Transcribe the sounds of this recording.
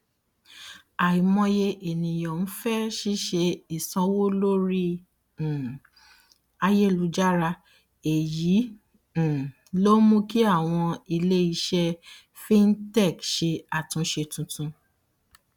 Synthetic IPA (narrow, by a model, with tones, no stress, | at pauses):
a˨i˨mɔ̃˧je˧ʔe˨nĩ˨jɔ̃˨n̩˦fɛ˦ʃi˦ʃe˧i˨sɔ̃˧wo˦lo˦ɾĩ˦˨ | a˧je˦˨lu˧˦d͡ʒa˦ɾa˧ | e˨jĩ˨˦˨ | lo˦mũ˦ki˦a˦˨w̃ɔ̃˧i˧le˦i˧ʃɛ˦ | fi˦n̩˦tɛ˦˨kʃe˧a˨tũ˨˧˦ʃe˧tũ˧tũ˧